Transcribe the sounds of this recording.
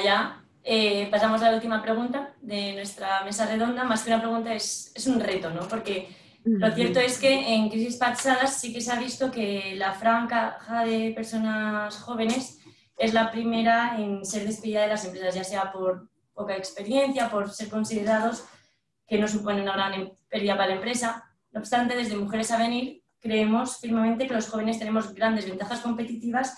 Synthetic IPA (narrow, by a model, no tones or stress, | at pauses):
ja | epasamo̞zlault̪imapɾe̞ɣ̞unt̪aðe̞nwe̞st̪ɾame̞sare̞ð̞o̞nd̪amaskeunapɾe̞ɣ̞ũnt̪ae̞se̞sunre̞t̪o̞no̞po̞ɾke̞ | lo̞θje̞ɾt̪o̞e̞ske̞ːŋkɾis̬ispasaðasike̞seaβ̞ist̪o̞ke̞lafɾaŋkaxaðe̞pe̞ɾso̞nasxo̞β̞e̞ne̞s | e̞zlapɾime̞ɾae̞nse̞ɾð̞e̞speðiðaðelase̞mpɾesazʝase̞apo̞ɾ | po̞kaekspe̞ɾje̞n̟θjapo̞ɾse̞ɾko̞nsiðe̞ɾað̞o̞s | ke̞no̞s̬upo̞neunaɣɾanepeɾðiðapaalaempɾe̞sa | no̞ːβst̪ant̪e̞ðe̞zð̞e̞muxe̞ɾe̞saβ̞e̞niɾ | kɾe̞emo̞sfiɾme̞mẽnt̪eke̞lo̞sxo̞β̞e̞nest̪e̞ne̞mo̞zɣɾand̪eβ̞e̞nt̪axasko̞mpe̞t̪it̪iβas